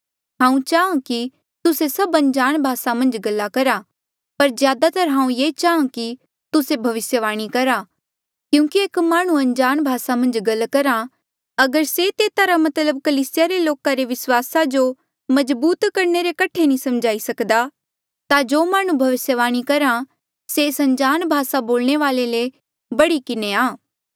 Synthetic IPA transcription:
ɦãːũt͡ʃaːãki | t̪ʊsesɐbɐ̃nd͡ʒaːɽ̃bʱaːsamɐ̃nd͡ʒɡɐlːakɐɾa | pɐɾd͡ʒzjaːd̪at̪ɐɾɦãːũjeːt͡ʃaːãki | t̪ʊsebʱɐʋɪsjəʋaːɽ̃ikɐɾa | kjũːkieːkmaːɽ̃ũɐ̃ɲd͡ʒaːɽ̃bʱaːsamɐ̃nd͡ʒɡɐlːkɐɾa | ɐɡəɾset̪eːt̪aɾamɐt̪ləb̚kɐliːsɪjaɾeloːkaɾeʋɪswaːsad͡ʒo | mɐzbuːt̪kɐɾɳeɾekɐʈʰenĩsɐmd͡ʒaːisɐkd̪a | t̪ad͡ʒoːmaːɽ̃ũbʱɐʋɪsjəʋaːɽ̃ikɐɾã | seːsɐ̃ɲd͡ʒaːnbʱaːsaboːlɳ̃eʋaːlele | bɐɽikɪneaː

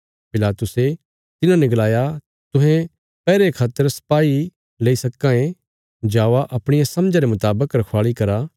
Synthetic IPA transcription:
pɪlaːt̪ʊse | t̪ɪnãnɪklaːja | t̪ʊ̃ɦɛ̃ | pɛːɾekʰaːt̪ːəɾsɐ̥paːi | leːisɐkːãẽ | d͡ʒaːʋaʔɐpɽ̃ɪjasɐmd͡ʒãɾemʊt̪aːbəkɾɐkʰwaːɭikɐɾa

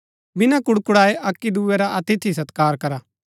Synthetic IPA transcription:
bɪnãkʊɽkʊɽaːeʔɐkːid̪ueɾaʔɐt̪ɪt̪ʰis̬ɐt̪kaːɾkɐɾaː

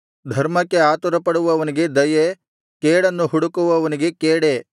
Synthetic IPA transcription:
d̪ʱɐɾmɐkːe̞aːt̪uɾɐpɐɽuʋɐʋɐniɡe̞d̪ɐje | keːɽɐnːuɦuɽukuʋɐʋɐniɡe̞keːɽe

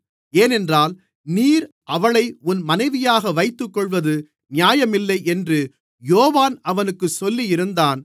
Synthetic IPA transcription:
eːnɛndraːl | niːɾ | ʔɐʋɐɭɐɪʊnmɐnɐɪʋɪjaːɣɐʋɐɪt̪ːɯkːɔɭʋɐðɯ | nɪjaːjɐmɪlːɐɪʔɛndrɯ | joːʋaːnɐʋɐnɯkːɯsɔlːijɪɾɯnd̪aːn

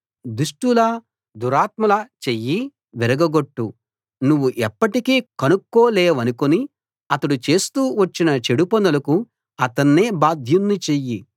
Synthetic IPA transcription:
d̪uʂʈulɐ | d̪uɾaːt̪mɐlɐt͡ʃejːi | ʋiɾɐɡɐɡoʈːu | nuʋːuʔɛpːɐʈikeːkɐnukːo̞ːlɛːʋɐnukoni | ɐt̪ɐɽut͡ʃe̞ːst̪uːʋɐt͡ʃːinɐt͡ʃe̞ɽupɐnɐlɐku | ɐt̪ɐnːeːbaːd̪ʱjunːit͡ʃeji

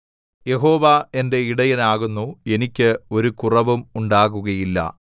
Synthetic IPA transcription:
je̞ɦo̞ːʋɐe̞nde̞iɽɐjinaːɣunːue̞nikʲːɨo̞ɾukurɐʋumuɳɖaːɣuɣɐjilːɐ̰

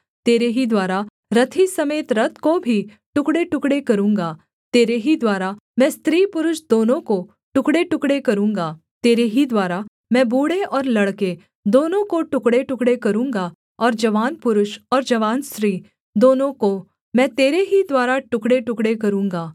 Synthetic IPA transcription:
t̪eːɾeɦid̪waːɾa | ɾɐt̪ʰisɐmeːt̪ɾɐt̪ʰkobʱi | ʈʊkɽeʈʊkɽekɐɾũːŋɡaː | t̪eːɾeɦid̪waːɾamɛ̃ːst̪ɾiːpʊɾʊʃd̪oːnõko | ʈʊkɽeʈʊkɽekɐɾũːŋɡa | t̪eːɾeɦid̪waːɾa | mɛ̃ːbuːɽeɔːɾlɐɽke | d̪oːnõkoʈʊkɽeʈʊkɽekɐɾũːŋɡa | ɔːɾd͡ʒɐʋaːnpʊɾʊʃɔːɾd͡ʒɐʋaːnsɾiː | d̪oːnõko | mɛ̃ːt̪eːɾeɦid̪waːɾaʈʊkɽeʈʊkɽekɐɾũːŋɡaː

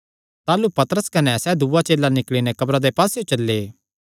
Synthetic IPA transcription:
t̪aːlupɐt̪əɾəskɐnɛsɛːd̪uːat͡ʃeːlanɪkɭinɛ̃kɐbɾad̪epaːseot͡ʃɐlːeː

